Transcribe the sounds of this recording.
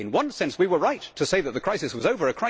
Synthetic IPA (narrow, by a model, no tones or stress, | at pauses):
ɨ̃nwʌ̃nsɛ̃nswiwə˞ɹaɪtʰɨseɪðɨt̪̚ðɨkʰɹ̥aɪsɨswʌzoʊvə˞ɨkʰɹ̥a